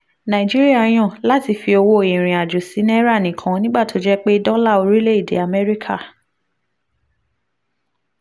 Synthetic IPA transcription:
nã˨i˨d͡ʒi˦ɾi˦a˦˨j̃ɔ̃˦˨la˦ti˧fi˧o˧wo˧˨ĩ˨ɾ̃ĩ˨a˨d͡ʒo˨si˨˦nɛ˦ɾa˦˨nĩ˨kʰã˨˦nĩ˦ɡ͡ba˦˨tʰo˨˦d͡ʒɛ˦k͡pe˦dɔ̃˦la˦˨o˧ɾi˦le˦i˦˨dḛ˨˦a˧mɛ˦ɾi˦kʰa˦˨

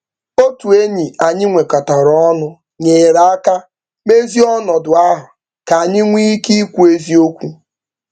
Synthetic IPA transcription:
o˦tu˨e˦ɲi˨a˨ɲɪ˦ŋʷe˨ka˨ta˨ɾɔ˦nʊ˦ | ɲeː˨ɾa˨a˦ka˦ | me˦zi˦ɔ˦nɔ˨dʊ˨a˦ɦʊ˨ | ka˨a˨ɲɪ˦ŋʷi˦ki˦kʷu˦e˦zi˦o˦kʷu˦

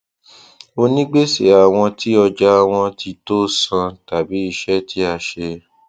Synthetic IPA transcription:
o˧nĩ˦ɡ͡be˦se˨a˨w̃ɔ̃˧tʰi˦ɔ˧d͡ʒa˦˧w̃ɔ̃˧tʰi˧to˦sã˧ta˨bi˨˦i˧ʃɛ˦tʰi˨˦a˧ʃe˧

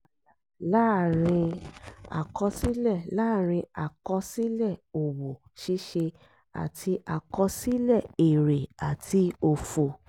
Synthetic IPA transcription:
la˦˨ɾ̃ĩ˧a̰˨kɔ˧si˦lɛ˦˨laː˦˨ɾ̃ĩ˧a˨kɔ˧si˦lɛ˦˨o˨wo˨ | ʃi˧˦ʃe˧ | a̰˨tʰi˧ʔa˨kɔ˧si˦lɛ˦˨e˨ɾe˨a˨tʰi˧o˧fo˨

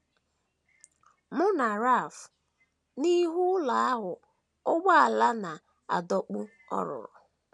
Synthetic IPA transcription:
mʊ˦na˨ɾa˦˨f | ni˦ɦu˦la˨a˦ɦʊ˨ | o˦ɡ͡ba˦a˨la˦na˨ | a̰˨dɔ˨k͡pʊ˦ | ɔ̰˦ɾʊ̰˨ɾʊ̰˨

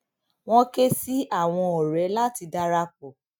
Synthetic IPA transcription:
w̃ɔ̃˦ke˦si˦a˦˨w̃ɔ̃˧ɔ˨ɾɛ˨˦la˦ti˧da˦ɾa˧k͡pɔ˨

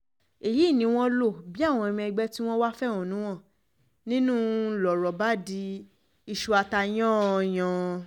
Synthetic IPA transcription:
e˨ji˨˦˨nĩ˨˧˦w̃ɔ̃˦lo˦˨bi˨˦a˦˨w̃ɔ̃˧ɛ˧mĩ˧ɛ˧ɡ͡bɛ˦ti˦w̃ɔ̃˦wa˦fɛ˦˨w̃ɔ̃˨nũ˨˦w̃ɔ̃˦˨ | nĩ˦nũ˦lɔ˨ɾɔ˨ba˦di˧˦ | i˧ʃu˧˦a˧ta˧j̃ɔ̃˦˧j̃ɔ̃˨

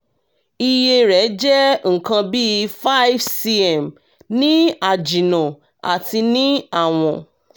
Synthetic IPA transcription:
i˧je˧ɾɛ˨˦d͡ʒɛ˦ŋ̩˨kã˧bi˦˧fa˦jfsi˧ɛ˨m | nĩ˦a˦˨d͡ʒi˨nã˨ | a̰˨ti˧nĩ˦a˦˨w̃ɔ̃˨

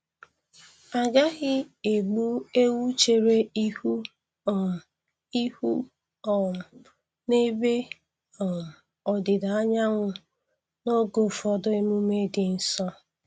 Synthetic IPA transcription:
a˨ɡa˦ɣɪ˦e˨ɡ͡bu˦e˦wu˦t͡ʃe˨ɾe˦i˦hu˦˨ | i˦hṵ˦ | ɔ˨ | ne˦be˦ | ɔ˨m˨ | ɔ˨dɪ˨da˨a˦ɲa˦ŋʷʊ˦ | no˦ɡo˨fɔ˨dʊ˦e˦mu˦me˦dɪ˨n̩˦sɔ˦

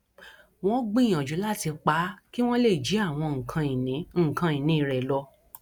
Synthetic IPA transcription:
w̃ɔ̃˦ɡ͡bĩ˦˨ã˨d͡ʒu˨˦la˦˨ti˧k͡pa˨˦ki˦w̃ɔ̃˦le˦˨d͡ʒi˨˦a˦˨w̃ɔ̃˧ŋ̩˨kʰã˧i˨nĩ˨˦ŋ̩˦˨kã˧ĩ˨nĩ˨˦˧ɾɛ˨lɔ˧

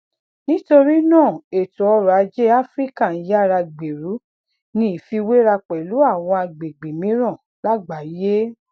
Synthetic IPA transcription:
nĩ˦to˧ɾi˦nãː˦˨e˨tu˨ɔ˧ɾa˨˧d͡ʒe˦a˦fɾi˦ka˦˨n̩˨˦ja˦˨ɾa˧ɡ͡be˨ɾu˨˦ | nĩ˧i˨fi˧we˦ɾa˧k͡pɛ˨lu˨˦a˦˨w̃ɔ̃˧a˧ɡ͡be˨ɡ͡be˨mĩ˨˦ɾã˦˨ | la˦ɡ͡ba˨˦je˦

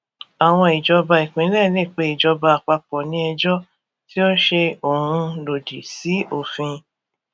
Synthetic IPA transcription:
a˨w̃ɔ̃˧i˨d͡ʒɔ˧ba˧i˨k͡pĩ˨˦lɛ˦˨le˦˨k͡pe˨˦i˨d͡ʒɔ˧ba˧a˨k͡pa˧k͡pɔ˨nĩ˨˦ɛ˧d͡ʒɔ˦ | ti˦o˦ʃe˧o˨hũ˧lo˨di˨si˨˦o˨fĩ˧

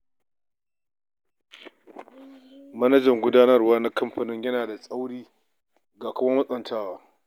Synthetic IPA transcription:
mɐ˦nɐ˦d͡ʒɐ˨ŋɡʷʊ˦daː˦nɐ˦rwaː˦na˦kɐ˦mɸɐ˨nɪ˦ɲjɐ˦naː˨da˨sʼa˦wɽiː˦ | ɡaː˨kʷʊ˦mɐ˦mɐ˦sʼɐ˨ntʰaː˦waː˦

